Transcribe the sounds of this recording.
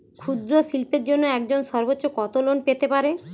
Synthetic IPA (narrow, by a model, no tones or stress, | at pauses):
kʰud̪ɾosilpeɾd͡ʑonːoɛkd͡ʑonʃɔɾbotːɕːokɔt̪olonpet̪epaɾe